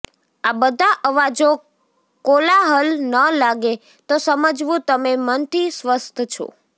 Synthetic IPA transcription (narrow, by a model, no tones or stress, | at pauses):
abəd̪ʱaʔəʋad͡ʒo | kolaɦəlnəlaɡe | t̪osəməd͡ʒʋũt̪əmemənt̪isʋəst̪ʰt͡ʃʰo̰